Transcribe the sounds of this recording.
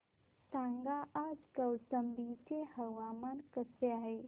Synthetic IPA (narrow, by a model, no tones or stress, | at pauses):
sãːŋɡaaːd͡ʒkəwsəmbit͡ʃeɦəwaːmaːnkəsejaɦeː